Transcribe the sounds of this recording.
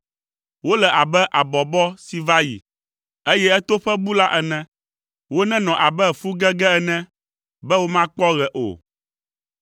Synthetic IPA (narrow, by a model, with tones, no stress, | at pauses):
wo˦lɛ˨ʔa˨bɛ˦ʔa˨bɔ˨bɔ˦si˨va˦jḭ˨ | e˦jɛ˦ɛ˦t̪o˦ɸɛ˦bu˦la˦ʔɛ˨nɛ̃˨ | wo˦nɛ̃˦nɔ̃˨ʔa˨bɛ˦˨fu˦ɡɛ˦ɡɛ˦ɛ˨nɛ̃˦ | bɛ˦wo˦mã˦k͡pɔ˦ɣɛ˨ʔo̰˨